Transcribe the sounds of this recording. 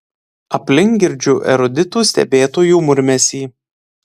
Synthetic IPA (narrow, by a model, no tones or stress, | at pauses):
ɐpʲlʲɪŋʲkɡʲɪɾʲd͡ʒʲuːʔɛ̰ɾɔd̪ʲɪt̪uːsʲt̪ʲɛ̰bʲeːt̪oːjuːmʊɾʲmʲɛsʲiː